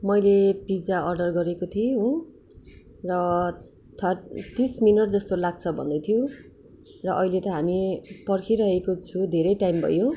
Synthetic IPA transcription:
mʌjlepid͡zaʌrɖʌrɡʌɾekot̪ʰiɦo | rʌ | t̪ʰʌrt̪isminʌʈ̚d͡zʌst̪olaɡ̚t͡sʰʌbʱʌ̰nd̪ʌjt̪ʰijo | rʌʔʌɦilet̪ʌɦamipʌrkʰiɾʌɦekot͡sʰũd̪ʱeɾʌjʈajmbʱʌ̰jo

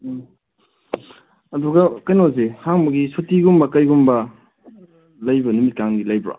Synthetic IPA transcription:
ɐduɡɐkɐjnoz̬ehaŋbɐɡisutiɡumbɐkɐjɡumbɐ | lɐjbɐnumit̚kaŋɡilɐjbɾa̰

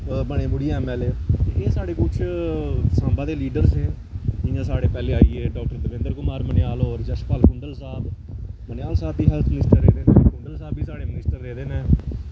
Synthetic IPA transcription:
bəɳẽːbʊɽiːɛːmɛːleːd͡ʒɪãːsaːɽeːkʊt͡ʃʰ | sãːmbãːd̪eːliːɖəɾsɛ̃ː | d͡ʒɪjãːsaːɽeːpɛːleːaːieːɖɔːk̚ʈəɾd̪əʋẽnd̪əɾkʊmaːɾmənɪjaːloːɾd͡ʒəʃpaːlkʊ̃nd̪əlsaːb | mənɪjaːlsaːb̚d̪iːɦɛːlt̪ʰmɪnɪsʈəɾːeːd̪eːnẽːkʊnd̪əlsaːbiːsaːɽeːmɪnɪsʈəɾːeːd̪eːnẽː

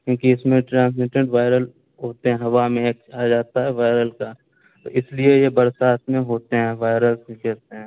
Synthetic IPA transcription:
kjũːkiɪsmẽʈɾãːns̬mɪʈə̃ɳʈʋaːɪɾəl | ɦoːt̪eɦɛ̃ɦɐʋamẽkaːd͡ʒaːt̪aɦɛʋaːɪɾəlka | t̪oɪsliejebɐɾsaːɪsmẽɦoːt̪eɦɛ̃ːʋaːɪɾəlsĩkɛɾt̪eɦɛ̃ː

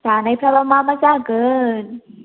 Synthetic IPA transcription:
t͡ɕaːnajpʰɾawamaːmat͡ɕaːkɤːn

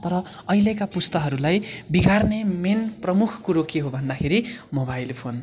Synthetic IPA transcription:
t̪ʌɾʌ | ʌjlekapust̪ʌɦʌɾulajbiɡarnemenprʌmukʰkuɾokiɦobʱʌnd̪akʰeɾimobajlpʰon

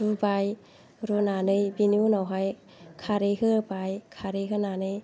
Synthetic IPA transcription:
ubaj | ɾunanɯjbiniunawɦaj | kʰaɾeɦɯbajkʰaɾeɦɯnanɯj

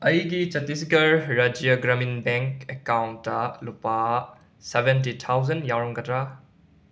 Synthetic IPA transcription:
ɐjɡit͡ʃɐtːisikɐlːad͡ʒijɐɡɾɐminbeŋkekawntːɐlupa | sebentitʰawzɐnjawɾɔŋɡɐtɾa

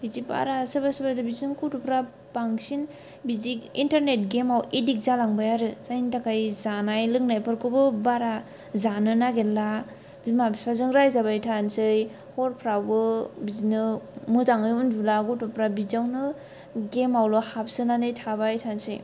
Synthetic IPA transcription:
biziba̰ɾasɯbasɯbadɯbizinɯŋkutupɾa | paŋsin | bizikintaɾnet̚ɡemawedik̚zalaŋbajaɾɯsajntakajzanajlɯŋnajpʰɯɾkɯbɯbaɾa | zanɯnaɡelːa | bimabiazɯŋɾajzabajtʰansɯj | hɔɾpʰɾawbɯbizinɯmɯtaŋɯjundulakutupɾabizawnɯ | ɡemawlɔhap̚sɯnanɯjtʰabajtʰansɯ̰j

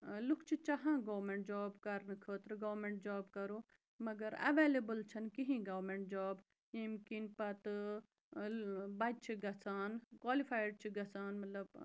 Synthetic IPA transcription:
lukʰt͡ʃʰit͡ʃɐɦãːɡoːmeɳʈ̚d͡ʒaːbkɐɾnɨkʰəːt̪ɾɨɡɐːmẽɳʈ̚d͡ʒaːbkɐɾuː | mɐɡɐɾɐ̰ʋeːlebəlt͡ʃʰɐnkiɦĩɡɐʋmẽɳʈ̚d͡ʒaːb | imkinpɐt̪ | bɐd͡ʒt͡ʃʰiɡɐsaːnkwaːlifaːjɖ̚t͡ʃʰiɡɐsaːnmɐt̪lɐb

